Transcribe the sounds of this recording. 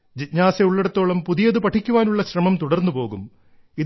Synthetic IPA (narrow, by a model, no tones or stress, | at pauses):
d͡ʑiɲaːseuɭːeɽut̪ːo̞ːɭɐmpuðijɐðupɐʈʰikʲːuʋaːnuɭːɐɕrɐmɐmt̪uɽɐrnːupo̞ːɣum | i